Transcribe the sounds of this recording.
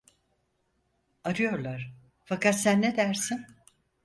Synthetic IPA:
aɾɯjo̞ɾlˠaɾ̥ | fakat̪sænːed̪æɾsin

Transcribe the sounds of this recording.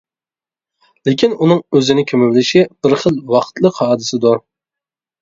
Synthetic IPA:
lɪkʲʰinunɨŋøzɪnɪkʲʰømywlɪʃib̥ɪɾχəlˠwɑqʰt̪ʰlˠəqhɑːd̪ɨsɪd̪uɾ

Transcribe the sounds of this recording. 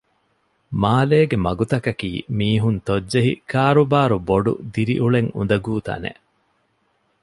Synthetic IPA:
maːleːɡemɐɡut̪ɐkɐkḭːmiːɦunt̪odːeɦḭkaːɾubaːɾuboɖṵd̪iɾḭʔuɭeŋṵnd̪ɐɡuːt̪ɐ̰nḛʔ

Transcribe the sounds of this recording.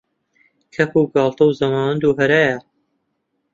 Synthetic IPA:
kʰɐpuɡɑːlˠt̪ɐwzɐmaːwɐnd̪uːɦɐɾaːja

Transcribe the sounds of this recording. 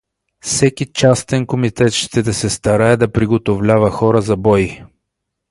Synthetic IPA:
fsɛkit͡ʃast̪ɛnkomit̪ɛt̪ʃt̪ɛd̪ɐsɛst̪ɐɾaɛd̪ɐpɾiɡot̪ovlʲavəxɔɾəzɐbɔji

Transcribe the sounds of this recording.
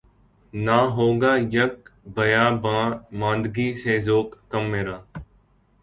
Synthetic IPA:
naːɦoːɡaːjəkbəjaːbãːmãːnd̪ɡiːseːzoːkːəmːeːɾaː

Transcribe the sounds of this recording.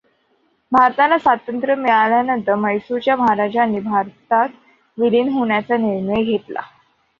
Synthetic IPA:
bʱaɾt̪alasʋat̪ənt̪ɾəmiɭaljanənt̪əməjsut͡ɕjaməɦaɾad͡ʑaːnibʱaɾt̪at̪ | ʋiliːnɦoɳjat͡saniɾɳəjɡʱet̪la̰

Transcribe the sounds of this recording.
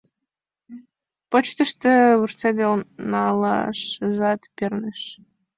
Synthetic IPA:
pot͡ɕt̪əʃt̪ĕβursed̪elnɑlɑ̰ʃʒɑt̪perneʃ

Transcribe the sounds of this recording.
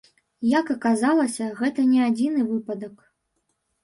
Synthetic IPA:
jɐkɐkazalˠɐsʲɐɣɛt̪ɐnʲɛad͡zʲinɨvɨpɐd̪ɐk

